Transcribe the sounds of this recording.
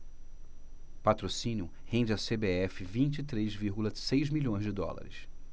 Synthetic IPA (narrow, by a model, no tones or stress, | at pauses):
pat̪ɾosĩnjʊhẽnd͡ʒɪasebeɛfɪvĩnt͡ʃɪit̪ɾezviɾɡulɐsejzmiʎõj̃zd͡ʒɪd̪ɔ̰la̰ɾɪ̰s